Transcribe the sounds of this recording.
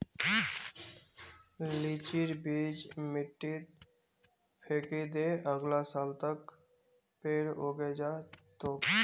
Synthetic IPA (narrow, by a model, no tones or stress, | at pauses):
liːt͡ʃiɾbiːd͡ʒmɪʈːit̪ | pʰeːkid̪eːʔəɡlasaːlt̪ək | peːɽoːɡed͡ʒaːt̪oː